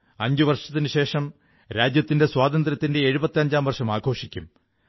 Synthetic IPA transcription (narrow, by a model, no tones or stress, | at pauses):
ɐɲd͡ʑuʋɐrʂɐt̪ːinɨɕe̞ːʂɐm | ɾaːd͡ʑjɐt̪ːinde̞swaːd̪ɐnd̪ɾɐt̪ːinde̞ːɻubɐt̪ːiɐɲd͡ʑaːmʋɐrʂɐmaːɡʱo̞ːʂikʲːum